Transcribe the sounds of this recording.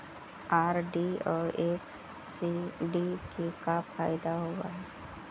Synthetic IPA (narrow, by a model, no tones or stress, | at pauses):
aːɾɖiɔːɾeːf | siɖikekafʰaːɪd̪aɦowa̰ɦɛː